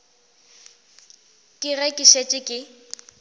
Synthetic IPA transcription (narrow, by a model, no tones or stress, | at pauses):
kʼɪrɛkʼɪʃet͡ʃʼɪkʼɪ